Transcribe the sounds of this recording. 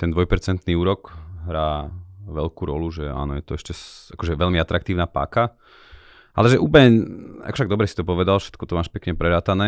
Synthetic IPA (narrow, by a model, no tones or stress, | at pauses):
t̪ɛnd̪ʋɔjpɛɾt͡sɛnt̪niːuːɾɔkɦɾaːʋɛʎkuɾɔluʒɛa̰ːnɔ̰jɛt̪ɔɛʃcɛsakɔʒɛʋɛʎmiat̪ɾakt̪iːʊnapa̰ːka | ʔa̰lɛʒɛʔuːpəlɲɛa̰kɔʃt̪aɡd̪ɔbɾɛsi̥t̪ɔpɔʋɛd̪alfʃɛ̥t̪kɔt̪ɔmaːʃpɛkɲɛpɾɛɾaːt̪anɛː